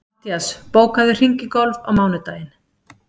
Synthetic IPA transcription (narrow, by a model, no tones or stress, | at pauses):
t̪jaspoːwkaðɪr̥iŋcɪkɔlva̰wmaːwnʏt̪aːjɪn